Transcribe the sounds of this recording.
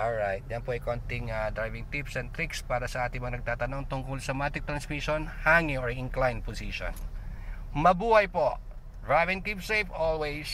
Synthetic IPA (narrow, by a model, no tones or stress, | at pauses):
ʔolɹajt̪̚d͡ʒɐnpoʔɐjkont̪ɪŋɐd̪ɾajvɪŋt̪ipsɛn̚t̪ɾikspaːɾɐsɐʔaːt̪ɪŋmɐŋɐnɐɡ̚t̪aːt̪ɐno̞ŋt̪ʊŋkʊlsɐmat̪ɪt̪ɾɐnsmiʃonhaːŋioɹɪ̃ŋklajnposiʃo̰n | mɐbuːhɐjpoʔ | dɹajvɪ̃nkipsejfolwejs